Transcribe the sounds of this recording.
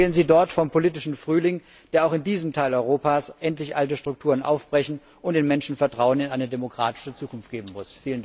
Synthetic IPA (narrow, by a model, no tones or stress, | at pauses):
lənziːdɔɐtfɔmpʰoliːtɪʃn̩fʁ̥yːlɪŋ | d̥eːɐaʊxɪndiːzəm̩tʰaɪlɔʏʁ̞oːpaːsʔɛntlɪçʔaltəʃtʁ̥ʊk̚tʰuːʁənʔa̰ʊfb̥ʁɛçn̩ | ʔʊnt̚d̥eːnmɛnʃn̩fɛɐtʁ̥aʊənɪnʔaɪnədemokʁ̥aːtɪ̥ʃət͡suːkʊnft̚ɡ̥eːbm̩mʊsfiːlən